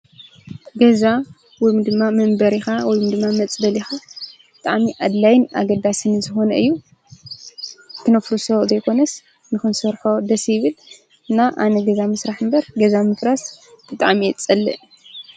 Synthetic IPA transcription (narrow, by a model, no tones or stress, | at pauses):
ɡɐza | wɔjmd̪ɨmːamɐmbɐɾixawɔjumd̪ɨmːamɐt͡sʼbɐlixab̥ɨt̪ʼaʕmiʔad̪lajnʔa̰ɡɐd̪asɨnɨzɨxo̞nɐɨjːu | t̪ʰɨnɐfɾusɐβzɐjkʰo̞nɐs | nɨxɨnsɐɾħod̪ɐsjɪβɨl | ɨnaʔanɐɡɐzamɨsɾaħɨmbɐɾɡɐzamɨfɾas | b̥ɨt̪ʼaʕmijɛt͡sʼɐlːɨʔ